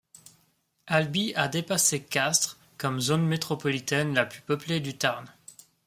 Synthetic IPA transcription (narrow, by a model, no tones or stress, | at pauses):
albiad̪epasekʲast̪χ | kɔmzonmet̪χɔpɔlit̪ɛnlaplypəpled̪yt̪aʁn